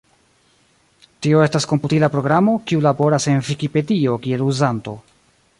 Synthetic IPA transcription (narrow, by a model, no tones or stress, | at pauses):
tio̞e̞stasko̞mputilapɾo̞ɡɾamo̞kiulabo̞ɾase̞nvikipe̞dio̞kie̞luzanto̞̰